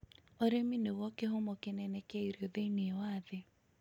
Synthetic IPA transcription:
oɾeminewɔkeɦomɔkenɛnɛkɛiɾeoðeineɛwaðe

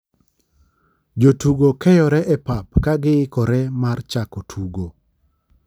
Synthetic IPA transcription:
d͡ʒotuɡokɛjɔɾɛʔɛpap̚kaɡɪɪkɔɾɛmart͡ʃakotʰuɡo

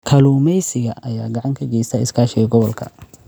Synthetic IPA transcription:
kʰɐluːmɛjsɪɣɐʔɐjaːɡɑʕɑŋkʰɐɡɛjst̪ʰɐɪskʰaːʃɪɣɐɡɔβɔlkʰɐ̰

